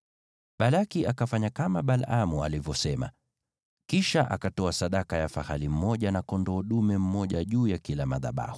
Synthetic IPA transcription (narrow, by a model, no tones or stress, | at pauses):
ɓalakiʔakafaɲakamaɓalamua̰livjɔsɛma̰ | kiʃaʔa̰katɔasaɗakajafahalim̩mɔʄanakɔndɔːɗumɛm̩mɔʄaʄuːjakilamaða̰ɓa̰hu